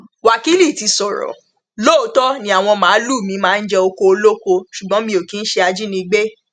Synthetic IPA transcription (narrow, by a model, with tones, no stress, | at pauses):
wa˨ki˨˦li˦˨ti˨˧sɔ˨ɾɔ̰˨ | lo˦˨o˧˦tɔ˦nĩ˧˦a˨w̃ɔ̃˧mãː˨˦lu˦˨mĩ˧˦mãː˦n̩˦d͡ʒɛ˧o˧ko˧o˧lo˦ko˧ʃu˨ɡ͡bɔ̃˦mĩ˧o˨ki˨˦n̩˦ʃe˧a˧d͡ʒi˦nĩ˧ɡ͡be˦